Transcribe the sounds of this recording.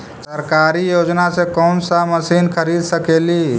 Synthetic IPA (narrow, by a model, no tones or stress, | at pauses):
səɾkaɾijod͡ʒnasẽkɔnsaməsinkʰəɾid̪səkeli